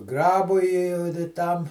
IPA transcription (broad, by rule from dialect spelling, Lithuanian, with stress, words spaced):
ˈɡrɑːbʊɪ ɪ dɐ ˈtɐm